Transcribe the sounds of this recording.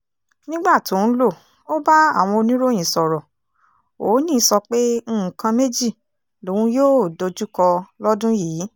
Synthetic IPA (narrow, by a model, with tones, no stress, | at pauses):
nĩ˦ɡ͡ba˦˨to˨˦n̩˦lo˦˨ | o˦ba˦a˦˨w̃ɔ̃˧o˧nĩ˦ɾo˦˨j̃ĩ˨sɔ˨ɾɔ˨ | o˨˦nĩ˦˨˧sɔ˧k͡pẽ˦˨kã˧me˦d͡ʒi˦˨ | lo˨˦wũ˧joː˦˨do˧d͡ʒu˦kɔ˧lɔ˦dũ˦jiː˨˦